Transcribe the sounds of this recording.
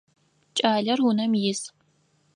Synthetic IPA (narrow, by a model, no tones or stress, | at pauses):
t͡ʃʼaːɮɐrwʊnɐmjɪs